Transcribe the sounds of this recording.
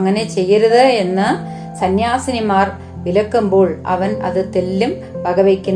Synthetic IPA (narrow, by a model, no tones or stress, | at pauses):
ɐŋːɐne̞t͡ɕe̞jːɐɾɐðɨe̞nːɨ | sɐnjaːsɐnimaːr | ʋilɐkːumbo̞ːɭɐ̰ʋɐnɐ̰ðɨt̪elːum | pɐɡɐʋekʲːun